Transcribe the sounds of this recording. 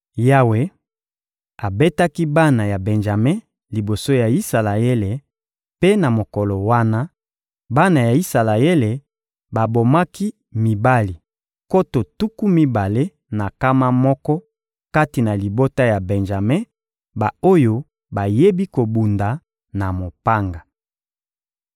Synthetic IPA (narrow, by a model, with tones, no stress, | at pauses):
ja˦we˦ | a˨be˦ta˦ki˦ba˦na˨ja˨bɛ˨nʒa˨me˦ | li˨bo˨so˦ja˨i˦sa˨la˨e˦le˨ | pe˦na˨mo˨kɔ˨lɔ˨wa˦na˦ | ba˦na˨ja˨i˦sa˨la˨e˦le˨ | ba˨bo˨ma˦ki˦ | mi˨ba˦li˨ | ko˦to˨tu˦ku˦mi˦ba˨le˦ | na˨ka˦ma˦mɔ˦kɔ˦ | ka˦ti˨na˨li˨bo˦ta˦ja˨bɛ˨nʒa˨me˦ | ba˨o˦jo˦ | ba˨je˦bi˦ko˨bu˨nda˨ | na˨mo˨pa˦ŋɡa˨